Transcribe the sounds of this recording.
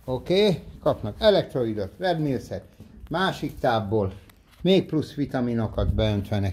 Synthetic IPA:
okeːkɒpnɒkɛlɛk̚t̪ɾoid̪ot̪rɛbmilsɛt̪maːʃikt̪aːbːoːl | meːk̚plusʋit̪ɒmino̞kɒd̪bɛønt̪ʋɛnɛ

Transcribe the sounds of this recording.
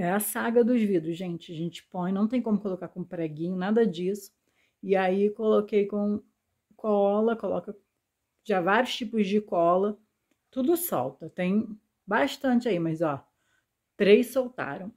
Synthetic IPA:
ɛɐsaɡɐd̪ʊzvid̪ɾʊsʒẽnt͡ʃɪɐʒẽnt͡ʃɪ̥põj̃nɐ̃w̃t̪ẽj̃kõmʊkolokaɾkõpɾaɡĩɲʊnad̪ɐd͡ʒisʊ̥ | ɪaikolokejkõ | kʰɔlɐkolɔ̰kɐ | ʒavaɾjʊʃt͡ʃipʊzd͡ʒɪkɔlɐ | t̪ud̪ʊsɔ̰wt̪ɐt̪ẽj̃ | baʃt̪ɐ̃nt͡ʃɪaimɐzɔ | t̪ɾejssowt̪a̰ɾɐ̃w̃

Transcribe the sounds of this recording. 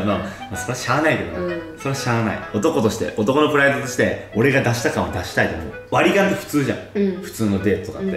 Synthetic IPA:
momaso̞ɾɕaːnaike̞d̪o̰n̰ːso̞ɾeɕaːna̰ḭo̞t̪o̞ko̞t̪o̞ɕi̥t̪e̞̰ʔo̞t̪o̞ko̞nopɯ̟ɾaet̪ot̪oɕi̥t̪e̞o̞ɾe̞ɡad̪aɕi̥t̪akãɰ̃od̪aɕi̥t̪ait̪omo̰ː | βaɾʲiɡãnt̪eɸɯ̟̥t͡sɨːʑã̰ɸɯ̟̥t͡sɨːnod̪e̞ːt̪t̪okat̪ːe

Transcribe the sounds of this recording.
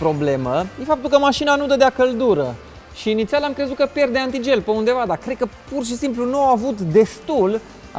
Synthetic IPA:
pɾo̞ble̞məje̞fap̚t̪ulkəmaʃinanud̪əd̪eakəld̪uɾə | ʃiːnit̪sialamkɾe̞zut̪̚kəpje̞rd̪e̞ant̪id͡ʒe̞lpeund̪e̞vad̪akɾed̪̚kəpurʃ̬isimplunuawavut̪d̪e̞st̪ul | a̰

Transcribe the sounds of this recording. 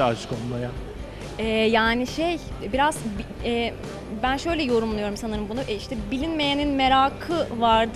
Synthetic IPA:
at͡ʃkonˠmaja | ɛːjaːniʃejbiɾazbiɛː | bænʃø̞jlʲɛjo̞ɾumlˠujo̞ɾumsanɯɾɯmbunuʔɛiʃt̪ʰɛbilʲinme̞jeninme̞ɾaːkʰɯvaɾd̪

